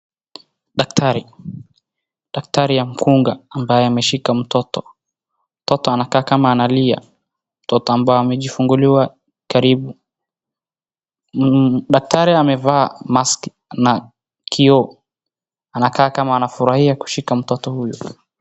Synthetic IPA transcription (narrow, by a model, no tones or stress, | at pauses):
ɗak̚tʰaɾi | ɗak̚taɾijam̩kuŋɡaambajɛamɛʃikam̩tɔtɔ | m̩tɔtɔanakaːkamaːnalia̰ | m̩tɔtɔambaɔamɛʄifuŋɡuliwa | kaɾiɓu | ɗak̚tʰaɾiamɛvaːmask | na | kʰiɔ | anakaːkamaːnafuɾahiaku̥ʃikam̩tɔtɔhujɔ